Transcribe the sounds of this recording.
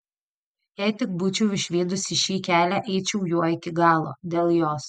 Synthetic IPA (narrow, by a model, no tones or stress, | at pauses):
jɛːt̪ʲɪk̚bʊt͡ʃʲɛʊɪʃʲʋʲiːd̪ʊsʲɪʃʲiːkʲæːlʲæʔɛɪt͡ʃʲɛʊjuɔɪkʲɪɡɑːlˠo̰ːd̪ʲeːlˠjoːs